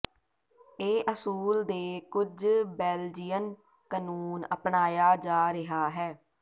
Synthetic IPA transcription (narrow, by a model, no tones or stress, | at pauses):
eːʔəsuːld̪eːkʊd͡ʒbɛːld͡ʒɪjən | kənuːnə̰pɳaːjaːd͡ʒaːɾɪɦaːɦɛː